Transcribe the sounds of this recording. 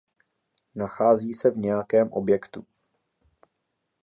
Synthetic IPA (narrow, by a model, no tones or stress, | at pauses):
naxaːziːsɛvɲɛjakɛːmʔo̞̰bjɛkt̪u